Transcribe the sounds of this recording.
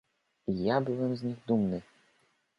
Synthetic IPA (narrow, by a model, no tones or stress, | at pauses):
ijabɨvɛmzʲnʲixd̪umnɨ